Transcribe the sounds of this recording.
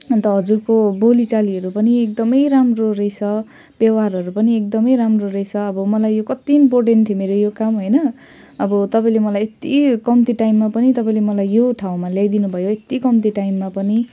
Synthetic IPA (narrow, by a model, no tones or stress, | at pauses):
t̪ʌɦʌd͡zurkobolit͡saliɦʌɾupʌniek̚d̪ʌmʌjɾamrorejsʰʌ | bjʌwɦarɦʌɾupʌniek̚d̪ʌmʌjɾamrorejsʰʌːbʌmʌlajːokʌt̪inpoʈent̪ʰjomeɾojokamɦojnʌ | ʌbʌt̪ʌpaĩlemʌlajet̪ikʌmt̪iʈajmːapʌnit̪ʌpaĩlemʌlajjoʈʰaw̃maljajd̪inubʱʌjoet̪ikʌmt̪iʈajmːapʌni